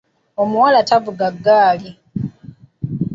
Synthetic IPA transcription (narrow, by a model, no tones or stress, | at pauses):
o̞muwalatavuɡaɡːaːli